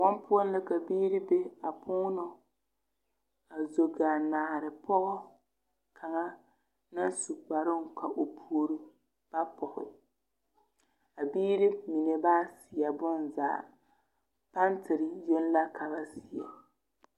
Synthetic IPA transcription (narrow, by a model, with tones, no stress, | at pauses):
wɔ˦mpʊ˦ɔ˦n˦lɨ˦ka˨biː˦ɾi˦be˦a˨pʰʊː˦nɔ˦ | a˨zo˨ɡa˨naː˨ɾɪ˨pɔ˦ʔʊ˦ | kʰa˨ŋa˦ | na˦nsu˨ɡ͡ba˨ɾʊ˦ŋ˨ka˨ʔo˨pʰu˨o˨ɾɨ˦ | b̥a˦pɔ˨hɪ̰˨ | a˨biː˦ɾi˦mi˨ne˨baː˦si˨a˨bɔ˦nza̰ː˨ | pa˦ntɪ˨ɾɪ˨jɛ˦n˦la˦kʰa˨ba˦si˨ja̰˨